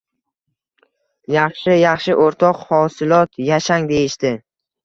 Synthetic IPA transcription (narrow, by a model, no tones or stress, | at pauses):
jɑχʃɪjɑχʃɪʔoɾt̪ʰɒqhɒsɪlɒt̪jaʃaŋd̪e̞jɪʃt̪ɪ